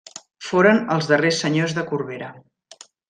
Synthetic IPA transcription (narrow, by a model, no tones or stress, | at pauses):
foɾənəlˠzðəresːəɲozðəkurβeɾə